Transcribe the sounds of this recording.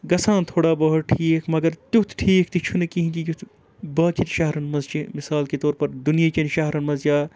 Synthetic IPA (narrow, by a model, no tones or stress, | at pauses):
ɡɐsãːnt̪ʰoːɽabɐɦut̪̚ʈʰiːkʰmɐɡɐɾt̪jut̪ʰʈʰiːkʰt̪it͡ʃʰunɐkiɦĩd͡ʒijut̪ʰ | bɐːt͡ʃit̪ʃɐɦɾɐnmɐzt͡ʃimɪsaːlket̪ɔːɾpɐɾd̪unijat͡ʃɐnʃɐɦɾɐnmɐzjaː